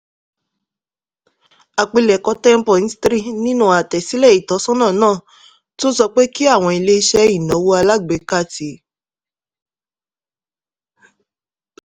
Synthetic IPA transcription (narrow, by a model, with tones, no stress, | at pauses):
a˨k͡pi˧lɛ˨kɔ˧tɛ˦m̩˦pɔ˨ĩ˨˧˦stɾi˦˨nĩ˦nũ˦a˨tɛ˨si˨˦lɛ˦˨i˨tɔ˨˦sɔ̃˦nã˦˨nãː˦˨ | to˦sɔ˧k͡pe˦ki˦a˦˨w̃ɔ̃˧i˧le˧i˧ʃɛ˦i˦˨nɔ̃˨˦wo˧˦a˧la˦˨ɡ͡be˨˦ka˦˨ti˨˦